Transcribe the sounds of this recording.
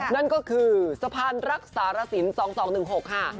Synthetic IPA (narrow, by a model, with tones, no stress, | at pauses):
na˥˩nkɔː˥˩kʰɯː˧sa˧pʰaː˧nɾa˦˥k̚saː˩˦ɾa˧si˩˦nsɔː˩˦ŋsɔː˩˦ŋnɯ˨˩ŋɦo˨˩k̚haː˥˩